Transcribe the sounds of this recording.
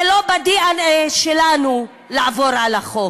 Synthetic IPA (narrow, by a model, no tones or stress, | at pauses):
elobad̪ianeʃelanu | laavoɾalaχo